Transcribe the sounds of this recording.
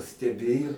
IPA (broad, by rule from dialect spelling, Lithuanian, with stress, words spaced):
sʲtʲɛˈbʲeːjʊ